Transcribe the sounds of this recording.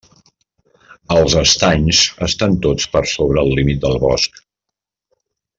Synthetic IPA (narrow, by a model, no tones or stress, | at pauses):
əlˠzəst̪aɲzəst̪ant̪ot͡spəɾsoβ̞ɾəːlˠːimit̪̚d̪əlˠβɔ̰sk